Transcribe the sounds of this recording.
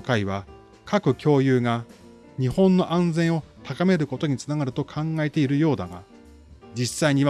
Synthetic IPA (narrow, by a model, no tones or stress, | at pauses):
kaiβa | kʰakɯ̟kʲo̞ːjɯːɡa | ɲ̟ihõ̞nːo̞ʔãnd͡zẽ̞ɰ̃o̞t̪akame̞ɾɯ̟ko̞t̪o̞ɲ̟it͡sɨnaɡaɾɯ̟t̪o̞kʰãŋɡae̞t̪e̞iɾɯ̟jo̞ːd̪aɡa̰ | d͡ʑisːaiɲ̟iβ